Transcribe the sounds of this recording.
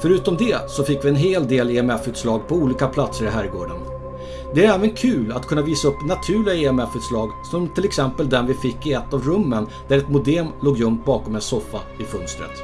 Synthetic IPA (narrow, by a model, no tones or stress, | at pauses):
fœɾʉ̟ːt̪ɔmd̪ɛsɔfɪkːvɪɛnɦeːld̪eːleɛmɛfʉ̟ːt̪slɑːɡpʰɔuːliːkapʰlat̪səɾɪɦæɾɡoːɖən | d̪ɛæɾɛːvənkʰʉ̟ːlat̪̚kʰɵnːaviːsaɵpːnat̪ʰʉ̟ːɭɪɡaeɛmɛfʉ̟t̪slɑːɡsɔmt̪ʰɪlɛksɛmpəld̪ɛnvɪfɪkːɪɛt̪ːavɾɵmːənd̪̥æɾɛt̪mʊd̪ɛːmloːɡjɵŋt̪̚bɑːkɔmɛnsɔfːa̰ | ɪfœnst̪ɾə̰t̪